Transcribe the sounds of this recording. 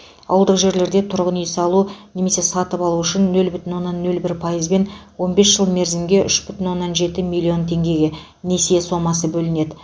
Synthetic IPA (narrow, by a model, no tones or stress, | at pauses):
ɑ̰wəlˠd̪əqʒe̞ɾle̞ɾd̪e̞t̪ʰʊɾʁənjesɑlˠune̞me̞se̞sɑt̪əpɑlˠuʏʃɪnːɵlbʏt̪ɪnwo̞nːɑnːɵlbɪɾpʰɑjəzbe̞nwo̞nbe̞sʒ̥əlˠme̞ɾzɪmɡʲe̞ʔʏʃbʏt̪ɪnwo̞nːɑnʒe̞t̪ɪmilʲːio̞nt̪ʰe̞ŋɡʲe̞ɡʲe̞ | ne̞sejeso̞mɑs̬əbɵlɪne̞d̪ɪ